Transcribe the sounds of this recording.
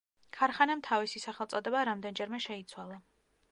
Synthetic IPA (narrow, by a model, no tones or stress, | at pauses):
kʰaɾχanamt̪ʰavisisaχɛlˠt̪sʼɔd̪ɛbaɾamd̪ɛnd͡ʒɛɾmɛʃɛit̪sʰwalˠa